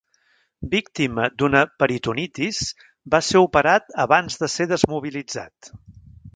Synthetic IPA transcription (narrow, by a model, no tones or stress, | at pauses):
bik̚t̪iməd̪unəpəɾit̪unit̪is | baseupəɾat̪əβanzðəseðəzmuβ̞ilid͡za̰t̪